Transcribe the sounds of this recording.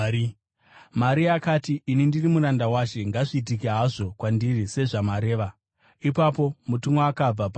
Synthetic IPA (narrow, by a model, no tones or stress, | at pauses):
maɾiakaːtiʔinindirimuɾandawaʃe̞ŋɡaʐiːt̬ikiɦaʐo̞kwandirise̞ʐamaɾe̞ːʋa | ipapo̞mutumoakab͡vapa